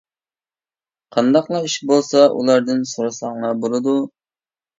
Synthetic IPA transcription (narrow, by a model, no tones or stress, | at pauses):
qʰɑnd̪ɑqlˠɑiʃbolˠsɑʔṵlˠɑɾd̪ɨnsoɾɑsɑŋlɑbolˠɨd̪u